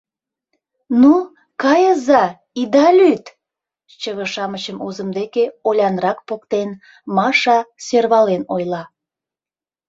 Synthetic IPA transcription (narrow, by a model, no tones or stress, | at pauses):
nu | kɑjəzɑ | id̪ɑlʲyt̪ | t͡ɕəβəʃɑmət͡ɕəmozəmd̪ekeolʲɑnrɑkpokt̪en | mɑʃɑserβɑlenojlɑ